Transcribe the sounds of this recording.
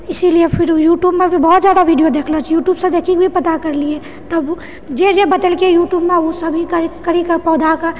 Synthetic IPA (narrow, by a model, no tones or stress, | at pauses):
ɪsiliefʰɪɾjuːʈjuːbmẽbʱibɔɦːt̪zjaːd̪aʋiɖijod̪eːkʰlat͡ʃʰjuːʈjuːbsẽd̪eːkʰikbʱipɐt̪akɐɾlie | t̪ɐb | d͡ʒed͡ʒebɐd̪əlkejuːʈjuːbmẽosɐbʱĩkɐɾkɐɾikpɔːd̪aka